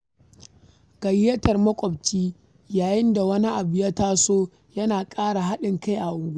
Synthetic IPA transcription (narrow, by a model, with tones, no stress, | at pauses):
ɡ̥ɐ˨jɪ˦jɐ˦tɐ˨rmɐ˦kʷʼɔ˨bt͡ʃiː˦ | jaː˨jɪ˦nda˨wɐ˦ni˦ʔa˨bɪ˨ja˦taː˦soː˦ | jɐ˦naː˨kʼaː˦ɽa˨ɦa˦ɗɪ˨ŋka˦jʔa˨ʔʊ˨ɡʷu˦